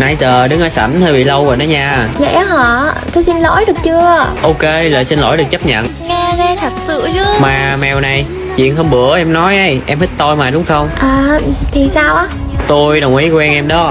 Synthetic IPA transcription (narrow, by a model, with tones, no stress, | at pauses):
na˧˩jzəː˨˩ɗɨ˨˦ŋʔəː˧˦sa˧˩nt̪əː˧jɓḭ˧˨lə˧wvɔ̰˧˨jnə̰˨˦ɲaː˧˨˩zə̰˧˩˦ja˨˦ɦɔ̰˧˨t̪o˧jsi˧nlo̰˧˥˦jɗɨ˨˩ək̚t͡ɕɨ˧əʔo˧ke˧lə̰ː˨jsi˧nlo̰˧˩jɗɨ˨˩ək̚t͡ɕə˦˥p̚ɲə̰˧˨n | ŋaː˧ɣə˧jt̪ʰə˨˩t̚sɨ̰˧˨ət͡ɕɨ˨˦maː˨˩mɛ˨˩wna˨˩j | t͡ɕwḭ˧˨ənɦə˧wŋ͡mɓɨ˧˩˦əʔɛ˧mnɔ˨˦jʔə˨˧˦jʔɛ˧mhi˦˥t̚t̪o˧jmaː˨˩ɗʊ˨˦ŋ͡mxə˧wŋ͡mʔəː˨˩˨t̪ʰi˨˩saː˧wʔaː˨˦ | t̪o˧jɗə˨˩wŋ͡mʔi˨˦kwɛ˧nʔɛ˧mɗɔ˨˦